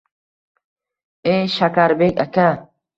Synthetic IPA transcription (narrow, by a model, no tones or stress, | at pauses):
eʃakaɾbeka̰ka